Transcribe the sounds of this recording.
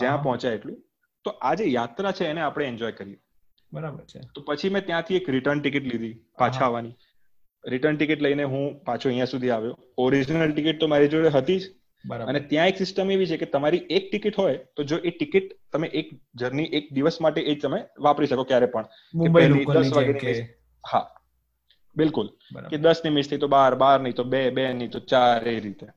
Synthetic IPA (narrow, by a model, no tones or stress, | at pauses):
d͡ʒjãpɔɦɔ̃t͡ʃjaeʈlũ | t̪oʔad͡ʒejat̪ɾat͡ʃʰeːneapɽ̃eɛɲd͡ʒɔjkəɾie | bəɾabəɾt̪opət͡ʃʰimɛ̃t̪jãt̪ʰiekɾɪʈəɾnʈikɪʈlid̪ʱi | pãt͡ʃʰaʋani | ɾɪʈəɾnʈikiʈləineɦũpat͡ʃʰoəɦjãsud̪ʱiaʋjo | ɔɾid͡ʒnəlʈikɪʈ̚t̪omaɾid͡ʒoɭeɦət̪id͡ʒ | bənet̪jãeksɪsʈəmeʋit͡ʃʰeket̪əmaɾiek̚ʈikɪʈɦojt̪od͡ʒoʔeʈikɪʈ̚t̪əmeʔek | d͡ʒəɾniʔek̚d̪iʋəsmaʈeʔed͡ʒt̪əmeʋapɾiʃəkokjaɾɛpəɳ | mkeenid̪əsʋaɡeniɪs | ha | bɪlkʊl | ked̪əsnimɪst̪ʰəit̪obaɾbaɾnəĩt̪obebenəĩt̪ot͡ʃaɾeɾit̪e